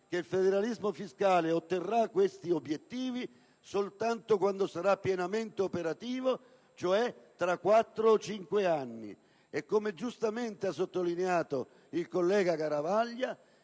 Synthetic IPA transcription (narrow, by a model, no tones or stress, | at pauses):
k̟eilfed̪eɾalizmofiskaːleot̪ːerːakːwest̪iobːjet̪ːiːvi | solt̪ant̪okwand̪osaɾapːjɛnament̪eopeɾat̪iːvo | t͡ʃoɛt̪ːɾakːwat̪ːɾot͡ʃiŋkweanːḭ | ɛkːomed͡ʒust̪ament̪eas̬ːot̪ːolineaːt̪o | ilkolːɛːɡakaɾavaʎːa